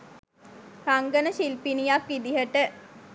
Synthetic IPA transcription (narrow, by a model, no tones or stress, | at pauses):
raŋɡənəʃilpinijakʋid̪iɦəʈə